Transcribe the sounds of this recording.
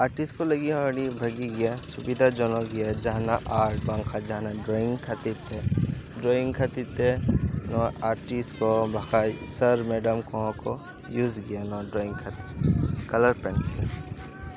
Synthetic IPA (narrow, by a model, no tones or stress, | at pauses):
aːɾʈɪsʈkolɐɡĩɽibʱɐɡiɡijasʊbɪd̪ʱad͡ʒɔnõɡijad͡ʒaɦnaʔaːɾʈbãŋkʰad͡ʒaɦnaɖɾoːɪ̃ŋɡkʰɐt̪it̪eɖɾoːɪ̃ŋɡkʰɐt̪it̪enɔʔaːɾʈisʈkobʱɐkaisəɾmeːɖəmkɔ̃ko | juːzɡijanɔɖɾoːɪ̃ŋɡkʰɐt̪ikɐləɾpɛnsɪ̃